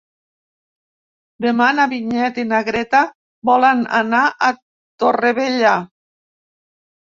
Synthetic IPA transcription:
d̪emanaβiɲɛt̪inaɣɾɛt̪a | bɔlana̰naʔa | t̪oreβeʎa

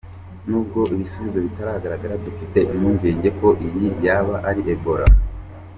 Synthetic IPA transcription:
nuːb̚ɡo̞ʔiβisuβizoβitaɾahaɡaɾaɡaɾadufite̞ʔimuɲɟe̞ːɲɟe̞ko̞ʔijijaβaʔaɾiʔebo̞ɾa̰

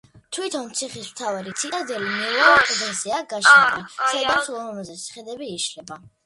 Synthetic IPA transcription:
t̪ʰwit̪ʰɔnt̪sʰiχismt̪ʰavaɾit̪sʰit̪ʼad̪ɛlimɛɛɾɛk̪ʼɛd̪ɛnsɛaɡaʃnaɡansɛd̪amslˠɔmɔmazɛt̪sʰi̥χɛd̪ɛbiːʃlɛba

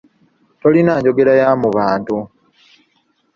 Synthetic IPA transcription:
to̞linaːɲɟo̞ɡe̞lajamuβaːntu

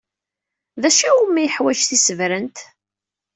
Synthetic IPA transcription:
ðæʃæumæjəħwæʒθisəvɾənt̪

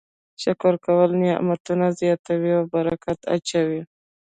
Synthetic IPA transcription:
ʃakoɾkawəlnja̰mat̪unazjɑt̪awiawbaɾakat̪a̰t͡ʃawi

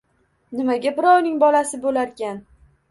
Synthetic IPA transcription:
nɪmaɡʲabɪɾɒwnɪŋbɒlasɪbolaɾkʲan

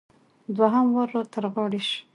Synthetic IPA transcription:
d̪waɦamwaɾoɾt̪aɾɣɑɽiʃ

